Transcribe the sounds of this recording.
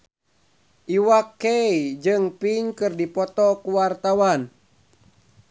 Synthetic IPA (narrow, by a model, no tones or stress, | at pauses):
ʔiwakːɛid͡ʒɨŋpiŋkɨrdipɔt̪ɔkuwart̪awan